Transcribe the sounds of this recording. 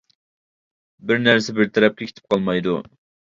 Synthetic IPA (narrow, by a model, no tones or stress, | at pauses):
bɪɾnæɾsɪbɪɾt̪ʰɛɾɛp̚kʲʰekʲʰɪ̥t̪ʰɪp̚qʰɑlˠmɑjd̪u